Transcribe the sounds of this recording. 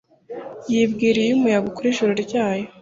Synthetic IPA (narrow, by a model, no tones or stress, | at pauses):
jibɡiːɾijjumujaɡukuɾiʒuɾoɾɟaːjo̞